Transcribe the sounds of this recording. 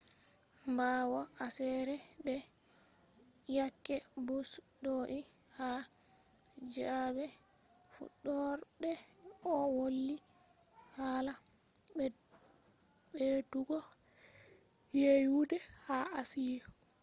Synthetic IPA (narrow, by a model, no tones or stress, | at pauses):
mbawɔʔasɛɾɛɗɛ | jakːɛbɔsdɔʔiha | d͡ʒabɛfṵɗːɔɾdɛɔwolːi | haːlaɓɛ | ɓetuɡɔ | jejudɛhaasijɔ